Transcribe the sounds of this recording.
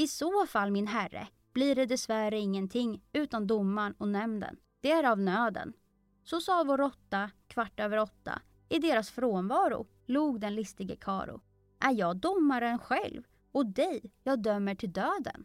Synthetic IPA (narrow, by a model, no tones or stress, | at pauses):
ɪsoːfalːmɪnɦærːə̰ | b̥liːɖɛd̪ɛsvæɾəɪŋːənt̪ʰɪŋːʉ̟ːt̪and̪ʊmːaɳɔnɛmnd̪ə̰n | d̪̥ɛæɾavnøːd̪ə̰n | sɔsɑːvɔɾɔt̪ːakʰvaʈːøːvəɾɔt̪ːa̰ | ɪd̪eːɾasfɾoːnvɑːɾʊ̰ | luːɡd̪ɛnlɪst̪ɪɡəkʰɑ̰ːɾʊ̰ | ʔæɾjɑːɡd̪ʊmːaɾənɧɛ̰lv | ɔd̪ɛjjɑːɡ̚d̪œmːəʈʰɪld̪øːd̪ə̰n